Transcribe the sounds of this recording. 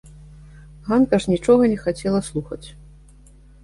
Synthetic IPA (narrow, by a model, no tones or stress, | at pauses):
ɣank̪ɐʂnʲit͡ʂɔɣɐnʲɛxat͡sʲɛlˠɐslˠuxɐt͡sʲ